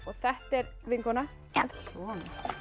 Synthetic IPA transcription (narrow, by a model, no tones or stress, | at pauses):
ɔɣθɛht̪ɛɾvɪŋkɔna | asɔn